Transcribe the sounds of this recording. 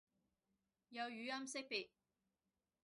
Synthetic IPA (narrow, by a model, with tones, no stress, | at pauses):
jɐ˨˧wjyː˨˥jɐ˥msɪ˥k̚pi˨t̚